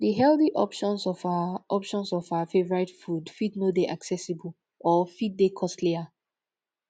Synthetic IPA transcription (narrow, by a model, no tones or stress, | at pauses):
diɦɛlθiʔɔ̰pʃɔ̃nsɔfaʔɔpʃɔ̃nsɔfaafevɔɹatfudfidnodeʔaksɛsibəl̩ | ɔfit̚dekʰɔstlia